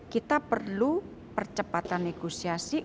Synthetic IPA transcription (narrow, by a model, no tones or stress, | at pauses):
kit̪apərlu | pərt͡ʃəpat̪anːeɡ̥osiasi